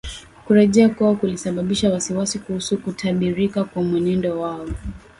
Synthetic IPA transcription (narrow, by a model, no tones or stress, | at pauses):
kuɾɛʄɛakuakulisaɓaɓiʃawasiwasikuhusukutʰaɓiɾikakwamwɛnɛndɔwaɔ